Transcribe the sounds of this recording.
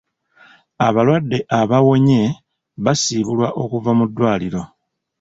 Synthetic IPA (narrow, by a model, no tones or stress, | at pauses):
aβalwadːe̞ʔaβawo̞ɲe̞ | βasiːβulwaʔo̞kuvamudːwaːliɾo̞